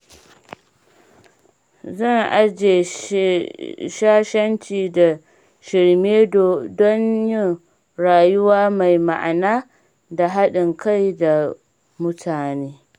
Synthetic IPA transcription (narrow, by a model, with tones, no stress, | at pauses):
zɐ˦˨ŋʔa˦d͡ʒeː˨ | ʃaː˦ʃɐ˦nt͡ʃiː˨da˨ | ʃɪ˨ɽmeː˦dɔ˦ɲjɪ˦ŋ | ɽaː˨jʊ˦waː˦ma˨jma̰˨ʔa˨naː˦ | da˨ɦa˦ɗɪ˨ŋka˦jda˨ | mʊ˦tʰaː˨neː˦